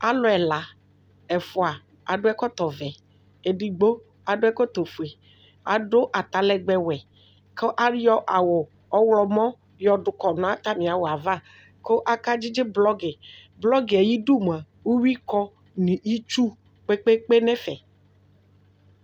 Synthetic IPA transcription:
a̰˦lɔ˨ɛ˨la˨ | ɛ˨fʊ˨a˨ | a̰˨ɖo˦ɛ˦kɔ˦t̪ɔ˨vɛ˨ | e˨ɖi˨ɡ͡bo˦ | a˨ɖo˦ɛ˦kɔ˦t̪o˨fu˨e˨ | a̰˨ɖo˦ʔa˨t̪a˨lɛ˨ɡ͡bɛ˦wɛ˨ | ke˦ʔa˦ɾjɔ˦ʔa˨wʊ˨ | ɔ˦wlɔ˨mɔ̃˦ | jɔ˨ɖʊ˨kɔ˨n˨a˦t̪a˦mĩ˨a˨wo˨a˨va˦ | ko˦ʔa˦ka˦d͡ʑi˦d͡ʒɪ˦blɔ˦ɡɪ˨ | blɔ˦ɡe˨e˨ji˦ɖu˦m˨a˨ | wu˦wi˦kɔ˦ | nĩ˨i˦t͡ʃu˦ | k͡pe˦k͡pe˦k͡pe˦nɛ̃˦fɛ˨

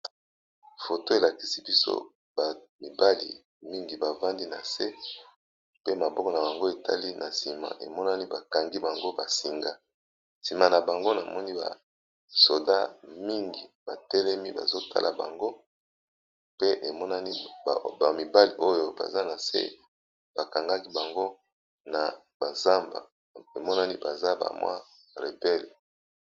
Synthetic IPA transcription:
fo˨to˦e˨la˨ki̥˨si˦bi˦so̰˦ | ba˨mi˨ba˦lḭ˨ | mi˦ŋɡi˨ba˨va˦ndi˦na˨se˦ | pe˦ma˨bɔ˦kɔ˨na˨ba˨ŋɡo˦e˨ta̰˦li˦nʔa˨si˨ma̰˨ʔḛ˨mɔ˦na˦ni˦ba˨ka˨ŋɡi˦ba˨ŋɡo˦ba˨si˨ŋɡa˦ | si˨ma˨na˨ba˨ŋɡo˦na˨mʔɔ˦ni˦ba̰˨ | so˨da˦mi˦ŋɡi˨b̥a˨tɛ˦lɛ˦mi˦ba̰˨zo˦tʰa̰˦lʔa̰˨ba̰˨ŋɡo˦ | pe˦ʔe˨mɔ˦na˦ni˦˨ba˨mi˨ba˦li˨ʔo˦jo˦ba̰˨za˦na˨sḛ˦ | b̥a˨ka˨ŋɡa˦ki˦ba˨ŋɡo˦ | na˨ | ba˨za˦mba̰˨ | e˨mɔ˦na˦ni˦ba˨za˦ba̰˨mwa̰˦ | ʁe˨bɛ˦le˨

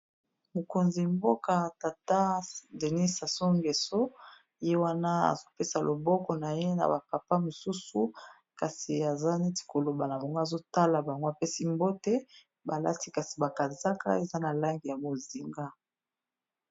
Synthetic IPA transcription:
mo˨ko˨nzi˨mbo˦ka˨ta˨ta˦de˨ni˦sa˨so˦ŋɡe˨so˦ | je˦wa˦na˦a̰˨zo˦pe˦sa˨lʔo˨bɔ˦kɔ˨na˨je˦na̰˨ba˨pa˨pa˦mo˨su˦su˦ | ka˨si˨a˨za˦ni˦ti̥˨ko˨lo˨ba˨na˨ba˨ŋɡa˨zo˦ta˦la˨ba˨ŋɡo˦a˨pe˦si˦mbo˦te˦ | ba˨la̰˦ti˦ka˨si̥˨ba˨ka˨za˦ka̰˦e˨za˦na˨la˦ŋɡi˨ja˨bo˨zi˨ŋɡa˦

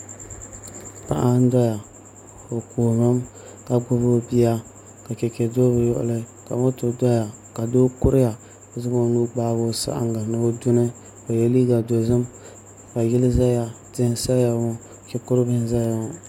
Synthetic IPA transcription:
pa̰˨ʔa˦n˦dɔ˦ja˨ | o˨koː˨mɨ˦m | ka˨ɡʊ˦bo˦bi˦ja˦ | ka˨ke˨ke˨do˦βɨ˨jɔ̰˦ʔʊ̰˨lɨ˦ka˨mo˦to˨dɔ˦ja˨ | ka˨do˦kʊ˦ɾɪ˦ja˨ | zɨ˦bo˦nuː˦ɡ͡baː˦bo˦sa̰˦ʔa̰˦ŋɡa˨nɨ˦bo˦dʊ˦nɨ˦ | o˨je˦li˦ɡa˨do˨zɨ˦m | ka˨jɪ˦lɨ˦za˦ja˨ | tɪ˦˨˦sa˦ja˨ŋo˦˨ | kɛ˨kʊ˦ɾɨ˦bɨ˦n˦za˦ja˦ŋo˦

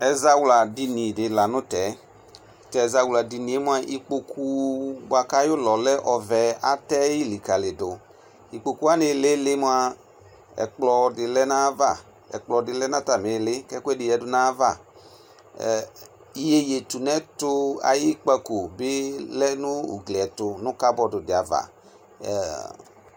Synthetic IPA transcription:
ɛ˨za˧wla˨di˧nĩ˨dɪ˨la˨nʊ˦tɛ˨˦ | tɛ˨za˧wla˨di˧ni˨e˦mu˦a˧ʔi˧k͡po˧kʰu˦ba˨ka˦jʊ˦lɔ˨lɛ˦ʔɔ˨vɛ˨a˦tɛ˦ji˦˨li˨ka˨lɪ˨dʊ˨ | i˨k͡po˨ku˦a˦nɪ˧˦lɪ˦lɪ˦mu˦a˧ | ɛ̰˨k͡plɔ˧dɪ˨lɛ˦nã˦va˦˨ | ɛ̰˨k͡plɔ˧dɪ˨lɛ˦nã˦ta˨me˨lɪ˦kɛ˦kɛ˦dɪ˨jɛ˨dʊ˨nã˦va˦˨ | i˦je˦je˨tu˨nɛ̃˦tʊ˦a̰˨ji˦k͡pa˧ko˨bɪ˦lɛ˦nʊ̃˦ṵ˨ɡle˨ɛ˨tʊ˧nʊ̃˦ka˦bɔ˨dʊ˨dɪ˨a˨va̰˨

